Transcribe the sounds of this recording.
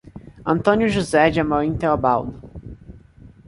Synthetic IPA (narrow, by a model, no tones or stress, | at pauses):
ɐ̃nt̪õnjʊʒuzɛd͡ʒɪamawĩt̪eobawd̪ʊ